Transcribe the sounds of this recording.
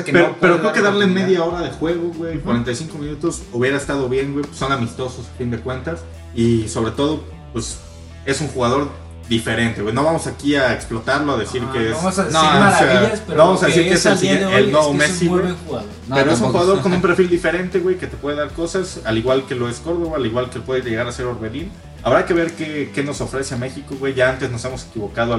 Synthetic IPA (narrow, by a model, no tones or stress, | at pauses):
peɾope̞ɾokɾeokeðaɾleme̞ðjao̞ɾaðexwe̞ɣ̞oɣwejkwaɾent̪ajsiŋko̞mĩnut̪o̞suβje̞ɾaest̪aðo̞βje̞ŋɡweso̞namist̪o̞sosafind̪e̞kwe̞nt̪as | iso̞βɾe̞t̪o̞ð̞o̞ | pwe̞s | e̞suŋxuɣaðo̞ɾ | d̪ife̞ɾe̞nt̪e̞ɣwenoβamo̞sakiaeksplo̞t̪aɾlo̞aðesiɾkeessnaaeaspoβamosaðesiɾkeeselsieelnoomesieeuɣa | peɾoesũŋxuɣaðokomũmpɾeɾfild̪ife̞ɾe̞nt̪e̞ɣwe̞jke̞t̪epwe̞ð̞eðaɾko̞sasaliɣwalke̞lo̞e̞sko̞ɾðo̞βaːliɣwalkepwe̞ðezʝeɣaɾase̞ɾoɾβeðin | aβɾake̞β̞e̞ɾkeke̞no̞so̞fɾe̞se̞ame̞xiko̞ɣwe̞jʝaant̪e̞zno̞se̞mo̞se̞kiβo̞kaðo